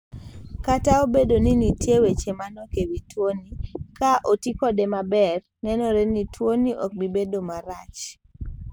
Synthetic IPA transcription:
kataobedoninitjewet͡ʃemanɔkewitwonikaʔotikɔdemabɛr | nɛnɔɾenitwoniʔɔk̚bibedomaɾat͡ʃ

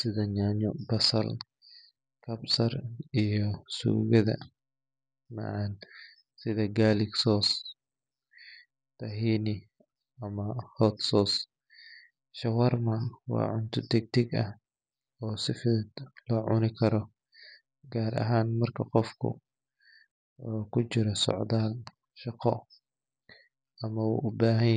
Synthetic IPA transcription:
sɪðɐɲaɲɔbɐsɐl | kʰɐbsɐrijɔsṵːɣɐðɐ̰ | mɐ̰ʕan | sɪðɐɡaːlɪksɔːs | t̪ʰɐɦiːnɪ | ʔɐmɐhɔt̪sɔːs | ʃɐwɐrmawɑ̰ːʕʊnt̪ʰʊd̪ɛɡ̚t̪ʰɪɡɐh | ɔːsɪfɪd̪lɔːʕʊnɪkʰɐɾɔ | ɡaːɾɐ̰ɦaːnmɐrkʰɐqɔfkʰʊ̰ | ukʰʊt͡ʃɪɾɔsɔ̰ʕd̪aːl | ʃɑqɔ | ɐmɐṵʔʊbaːɦɐ

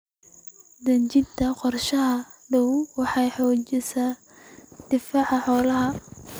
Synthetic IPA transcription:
d̪ɐɲt͡ʃɪnt̪ʰɐqɔrʃɐɦɐ | ɖɐwwɑħɑjħɔːt͡ʃɪsa | d̪̥ɪfaːʕɑħɔːlɐɦɐ

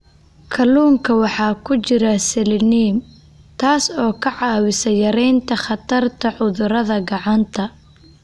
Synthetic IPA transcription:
kʰɐluːŋkʰɐwɑħɑːkʰʊt͡ʃɪɾɐsɛlɪniːm | t̪ʰaːsɔːkʰɐʕɑːwɪsɐjɐɾɛjnt̪ʰɐχɑt̪ʰɐrt̪ʰɐʕʊðʊɾɐðɐɡɑʕɑnt̪ʰɐ

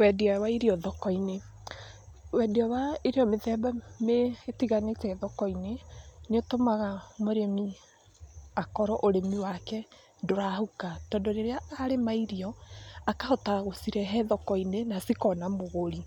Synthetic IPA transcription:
wɛdiawaiɾiɔðɔkɔine | wɛdiɔwaiɾeɔmeðɛbameetiɣanetɛðɔkɔineneotomaɣamoɾemi | akɔɾɔʔoɾemiwakɛ | ndoɾahukatɔːndoɾeɾeaaɾemaiɾiɔakahɔtaɣosiɾɛɦɛðɔkɔinenasikɔnamoɣoɾi

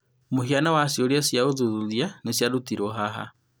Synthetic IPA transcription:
mohianawasjoɾjasjaoðuðuðjanesjaɾutiɾoɦaɦa̰

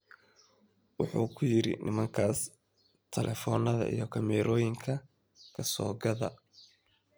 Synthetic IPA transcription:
wɑħuːkʰʊjɪɾɪ̰nʔɪmɐŋkʰaːs | t̪ʰɛlʔɛfɔːnɐðɐ̰ʔijɔkʰɐmɛːɾʔɔːjɪŋkʰɐ | kʰɐsɔ̰ːɡɐðɐ̰

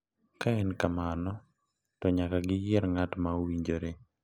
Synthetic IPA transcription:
kaɛnkamanɔ | tɔɲakaɡɪjɛɾŋatmaowiɲd͡ʒoɾe

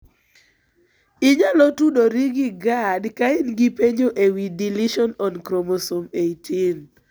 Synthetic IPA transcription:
ɪɲalɔtudoɾiɡɪɡadkaɪnɡipeɲd͡ʒoʔewidiliʃɔnɔnkɾomɔsomejtʰin

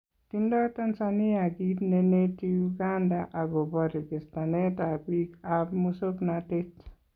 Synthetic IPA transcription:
tindɔt̪ansaniaɡitnenetijuɡandaʔaɡobɔɾɡɪst̪anetabikabmusopnatet

